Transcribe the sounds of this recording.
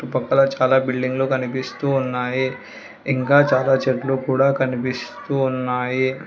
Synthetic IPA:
ʈːupɐkːɐlɐt͡ʃaːlaːbilɖiŋɡlokɐnipist̪uːnːaːji | iŋkaːt͡ʃaːlaːt͡ʃeʈlukuːɽaːkɐnipist̪uːnːaːji

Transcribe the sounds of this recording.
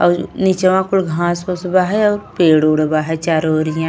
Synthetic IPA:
ɔːɾnit͡ʃɐʋãːkulɡʱãːsoːsbaːɦeɔːɾpeːɽoːɽbaːɦet͡ʃaɾoːɾijã

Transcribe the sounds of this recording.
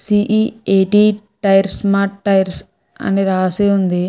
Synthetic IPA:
siʔieːʈi | ʈɐjɾsmaːʈːɐjɾs | ɐ̰niɾaːseːund̪i

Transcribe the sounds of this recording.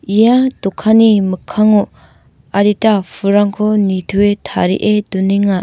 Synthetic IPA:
ijatukʰanimɯkʰːaŋu | aditapʰuɾaŋkʰɔnitʰuetʰa̰ɾḭʔeduniŋa

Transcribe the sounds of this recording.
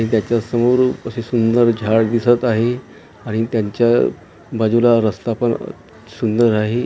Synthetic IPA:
aɽ̃it̪jat͡ɕjasəmuɾəsesund̪əɾd͡ʑʱaɽd̪isət̪aɦe | aɽ̃it̪jaɲt͡ɕja | bad͡ʑulaɾəst̪apəɳ̰ | sund̪əɾaɦe

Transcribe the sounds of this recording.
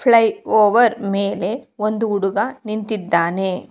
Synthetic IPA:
pʰɭɐjoːʋɐɾmeːle̞ond̪uːɽuɡɐnint̪id̪ːaːne̞

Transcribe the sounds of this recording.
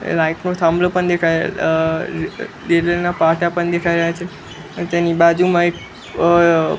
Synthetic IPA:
laiknot̪ʰãmblopəɳd̪ekʰa | ɾellənapaʈapəɳd̪ekʰajɾəjat͡ʃʰe | t̪enibad͡ʒumãek̚

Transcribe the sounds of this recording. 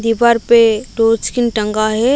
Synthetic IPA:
d̪ibaɾpeʈoːɾt͡ʃkɪnʈə̃ŋɡaɦɛ

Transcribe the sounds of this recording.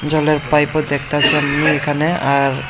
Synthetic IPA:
d͡ʑɔleɾpajpod̪ɛk̚ʰt̪at͡ɕʰammiekʰaneaɾ

